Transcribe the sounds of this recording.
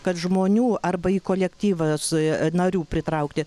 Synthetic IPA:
kɐt̪ʒmoːnʲuːɐrbɐikoːlʲɛkt̪ʲiːʋɐsnɐɾʲuːpʲɾʲɪt̪ɾɐʊkt̪ʲɪ

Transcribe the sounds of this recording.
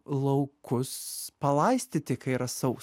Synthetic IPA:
lˠɐʊkʊspɐlˠɐɪsʲt̪ʲɪt̪ʲɪkɐɪɾɐsɐʊ

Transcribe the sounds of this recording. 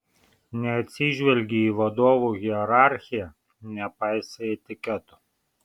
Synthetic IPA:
nʲɛt̪sʲiʒʲʋʲɛlʲɡʲiːʋɔd̪ɔʋʊɣʲiɛɾaɾxʲijɛ | nʲɛpajsɛɛt̪ʲɪkʲɛt̪ʊ

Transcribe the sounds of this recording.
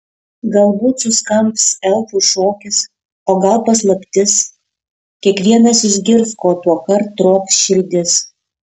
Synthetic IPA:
ɡɐlˠbuːt̪sʊskɐmpsɛlˠfʊʃoːkʲɪs | oːɡɐlˠpɐslˠɐpʲt̪ʲɪs | kʲiɛkʋʲiɛnɐsɪʒʲɡʲɪɾskoːt̪uɔkɐɾt̪ːɾoːksʃʲɪɾʲd̪ʲɪs

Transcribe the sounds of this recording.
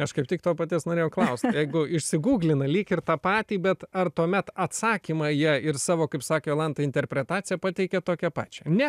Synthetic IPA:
ɐʃkɐɪpt̪ʲɪkt̪oːpɐt̪ʲiɛsnoːɾʲeːjɛʊklˠɐʊst̪jɛɪɡʊɪʃʲsʲɪɡuːɡlʲɪnɐlʲiːkɪrt̪ɑːpɑːt̪ʲiːbʲɛt̪ɐrt̪uɔmʲɛt̪ɐt̪sɑːkʲiːmɑjiɪrsɑːʋoːkɐɪpsɑːkʲeolˠɐnt̪ɐɪnʲt̪ʲɛɾʲpʲɾʲɛt̪ɑːt͡sʲsʲɪjɛpɑːt̪ʲɛɪkʲɛt̪oːkʲɛpɑ̰ːt͡ʃʲɛnʲɛ

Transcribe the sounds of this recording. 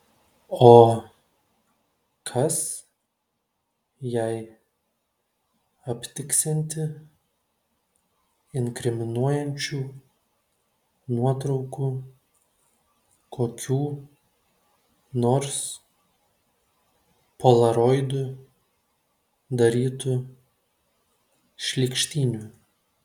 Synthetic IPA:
oː | kʰɐs | jɛɪ | ɐpʲt̪ʲɪksʲɛnʲt̪ʲɪ | ɪŋʲkɾʲɪmʲɪnuɔjɛnʲt͡ʃʲuː | nuɔt̪ɾɒʊkuː | kʰoːkʲuː | noːɾs | polˠɐɾɔɪd̪ʊ | d̪ɐɾʲiːt̪u | ʃʲlʲikʃʲt̪ʲiːnʲuː

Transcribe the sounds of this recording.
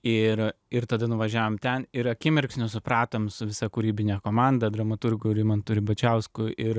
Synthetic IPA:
ɪɾɪɾt̪ɐd̪ɐnʊʋɐʒʲæːʋoːmt̪ʲɛnɪɾɐkʲɪmʲɪrksʲnʲʊsʊpɾɑːt̪oːmsʊʋʲɪsɐkʊɾʲiːbʲɪnʲæːkoːmɑnd̪ɐd̪ɾɐmɐt̪ʊrɡʊːɾʲɪmɐnt̪ʊɾʲɪbɐt͡ʃʲɛʊskʊʔɪɾ

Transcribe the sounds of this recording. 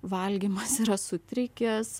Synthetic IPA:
ʋɐlʲɡʲimɐsiːɾɐsʊt̪ʲɾʲɪkʲɛs

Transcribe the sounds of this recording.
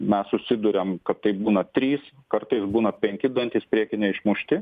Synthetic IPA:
mʲɛssʊsʲɪd̪ʊɾʲɛmkɐtt̪ɐɪbuːnɐt̪ʲɾʲiːs | kɐɾt̪ɐɪsbuːnɐpʲɛŋʲkʲɪd̪ɐnʲt̪ʲiːspʲɾʲiɛkʲɪnʲɛɪʃmʊʃʲt̪ʲɪ

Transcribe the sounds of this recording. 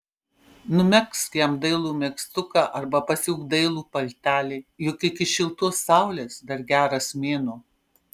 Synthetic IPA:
nʊmʲɛkst̪jɛmd̪ɐɪlˠuːmʲɛkst̪ʊkɑːʔɐɾbɐpɐsʲuʊkd̪ɐɪlˠuːpɐlʲt̪ʲæːlʲeɪjʊkɪkʲɪʃʲɪlˠt̪uɔsːɑˑʊlʲeːsd̪ɐɾɡʲæːɾɐsmʲeːnuː

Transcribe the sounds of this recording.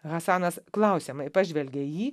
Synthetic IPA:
ɣɐsɑːnɐsklˠɐʊsʲemɐɪpɑʒʲʋʲɛlʲɡʲɛjiː

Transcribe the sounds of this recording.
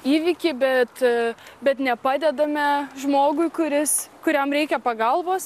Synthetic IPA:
iːʋʲɪkʲɪbʲɛt̪bʲɛt̪nʲɛpɑːd̪ʲɛd̪ɐmʲɛʒmoːɡʊɪkʊɾʲɪskʊɾʲɛmɾʲɛɪkʲɛpɐɡɐlˠʋoːs

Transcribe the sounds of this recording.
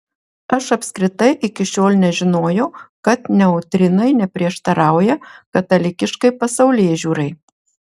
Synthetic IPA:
ɐʃɐpʲsʲkɾʲɪt̪ɐɪʔɪkʲɪʃʲoːlʲˠnʲɛʒʲɪnoːjɛʊkɐt̪nʲɛɔʊt̪ʲɾʲɪnɐɪnʲɛpʲɾʲiɛʃt̪ɐɾɑˑʊjɛkɐt̪ɐlʲɪkʲɪʃkɐɪpɐsɐʊlʲeːʒʲuːɾɐɪ

